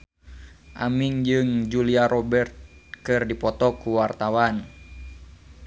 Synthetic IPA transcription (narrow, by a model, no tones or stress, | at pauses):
ʔamiŋd͡ʒɨŋd͡ʒuliaɾɔbɛrt̪̚kɨrdipɔt̪ɔkuwart̪awan